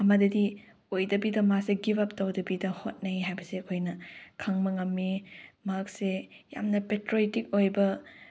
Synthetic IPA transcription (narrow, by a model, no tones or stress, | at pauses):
ɐmɐdɐdi | ojdɐbidɐmaseɡibɐp̚tɐwdɐbidɐhot̚nɐjɦajbɐseɐkʰojnɐkʰɐŋmɐŋɐmːimak̚se | ja̰mnɐpetɾoitik̚ojbɐ